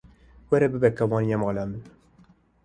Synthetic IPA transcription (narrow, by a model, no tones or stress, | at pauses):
wɛɾɛbɨbɛkɛwɑːnijɛmɑːlæmɨn